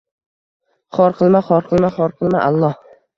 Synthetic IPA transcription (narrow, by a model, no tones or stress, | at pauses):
χɒɾqʰɨlˠmaχɒɾqʰɨlˠmaχɒɾqʰɨlˠmaʔalˠːɒh